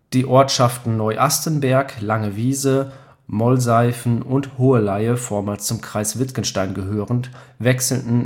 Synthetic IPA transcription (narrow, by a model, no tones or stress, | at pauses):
d̥iːʔɔɐtʃaftn̩nɔʏʔastənbɛɐklaŋəviːzə | mɔlzaɪfn̩ʔʊnthoːəlaɪəfoːɐmalst͡sʊmkʁ̥aɪsv̥ɪtkənʃtaɪnɡəɦøːʁəntvɛksl̩tn̩